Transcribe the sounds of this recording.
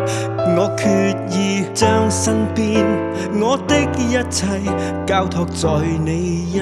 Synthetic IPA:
ŋɔː˨˧˥kʰy˧t̚jiː˨t͡sœː˥ŋsɐ˥ŋpiː˥n | ŋɔː˨˧t̪ɪ˥k̚jɐ˥t̚t͡sʰɐ˧j | kaː˧wt̪ʰɔː˧˩k̚t͡sɔː˨˩jne˨˧jj

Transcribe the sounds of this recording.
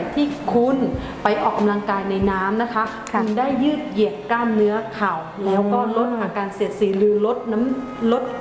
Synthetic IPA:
jt̪ʰiː˥˩kʰu˧n | pa˧jʔɔː˨˩kːa˧mla˧ŋkaː˧jna˧jnaː˦˥mna˦˥kʰa˦˥ | kʰu˧ndaː˥˩jːɯː˥˩t̪̚ji˨˩əkːaː˥˩nːɯ˦˥ɐkʰa˨˩wlɛː˦˥wkɔː˥˩lo˦˥t̪̚ʔʔaː˧kaː˧nsi˨˩ət̪̚siː˩˦ɾɯː˨˦lo˦˥t̪̚na˦˥m | lo˦˥t̪̚

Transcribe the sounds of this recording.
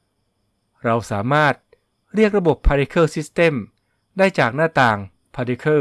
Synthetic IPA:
ɾa˧wsaː˩˦maː˥˩t̪̚ | ɾi˥˩ək̚ɾa˧bo˨˩pʰːa˧ɾi˦˧˥kʰɤː˥˩si˦˥st̪e˥˩m | daː˥˩jt͡ɕaː˨˩k̚naː˥˩t̪aː˨ŋ | pʰaː˧ɾi˦˥kʰɤː˥˩

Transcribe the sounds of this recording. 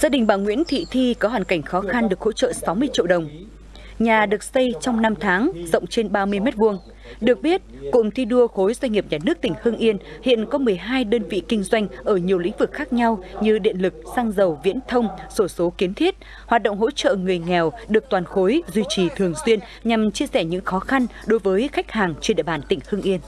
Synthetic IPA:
zaː˧ɗï˨˩ŋ̟ɓaː˧˩ŋwḭ˧˥ənt̪ʰḭ˧˨t̪ʰi˧kɔ˨˦ɦwaː˨˩nka˧˩jŋ̟xɔ˨˦xa˧nɗɨ˨˩ək̚ho̰˧˥t͡ɕə̰ː˧˨sa˨˦wmɨ˧əjt͡ɕḭ˧˨əwɗə˨˩wŋ͡m | ɲaː˨˩ɗɨ˨˩ək̚sə˧jt͡ɕɔ˧wŋ͡mna˧mt̪ʰaː˨˦ŋzə̰˧˨wŋ͡mt͡ɕe˧nɓaː˧mɨ˧əjme˦˥t̚vu˧əŋ | ɗɨ˨˩ək̚ɓi˦˥ət̚kʊ̰˧˨ŋ͡mt̪ʰi˧ɗu˧əxo˨˦jzwa˧ŋ̟ŋi˨˩əp̚ɲaː˨˩nɨ˦˥ək̚t̪ï˧˩ŋ̟hɨː˧ŋʔi˧ənhḭ˧˨ənkɔ˨˦mɨ˨˩əjɦaː˧jɗəː˧nvḭ˧˨kï˧ŋ̟zwa˧jŋ̟ʔəː˧˩ɲi˨˩əwlḭ˧˥ŋ̟vɨ˨˩k̚xaː˦˥k̚ɲa˧wɲɨ˧ɗḭ˧˨ənlɨ˨˩k̚saː˧ŋzə˨˩wvḭ˧˥ənt̪ʰə˧wŋ͡mso˧˩so˨˦ki˨˦ənt̪ʰi˦˥ət̚ | haː˨˩t̚ɗə̰˧˨ŋ͡mɦo̰˧˥t͡ɕə̰˧˨ŋɨ˨˩əjŋɛ˨˩wɗɨ˨˩ək̚t̪waː˨˩nxo˨˦jzwi˧t͡ɕi˨˩t̪ʰɨ˨˩əŋswi˧ən | ɲa˨˩mt͡ɕi˧əsɛ˧˩ɲɨ̰˧˥ŋxɔ˨˦xa˧nɗo˨˦jvəː˨˦jxa˦˥jk̟̚haː˨˩ŋt͡ɕe˧nɗḭ˧˨ɓaː˧˩nt̪ï˧˩ŋ̟hɨ˧əŋʔi˧ən

